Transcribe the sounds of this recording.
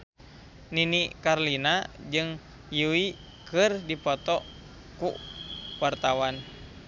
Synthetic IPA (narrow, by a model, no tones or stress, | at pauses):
ninikarlinad͡ʒɨŋ | juwi | kɨrdipɔt̪ɔ | kuwart̪awan